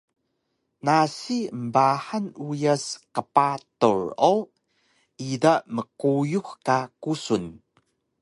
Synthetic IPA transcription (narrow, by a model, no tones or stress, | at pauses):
nasiəmbaħanujaskəpatṵɹow | ʔidaməkujuxkakusun